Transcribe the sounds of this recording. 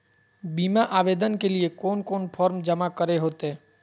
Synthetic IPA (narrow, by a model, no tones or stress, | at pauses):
biːmaʔaːʋeːd̪ənkeliekɔːnkɔːnpʰɔːɾmd͡ʒəmakəɾeɦoːt̪eɦɛː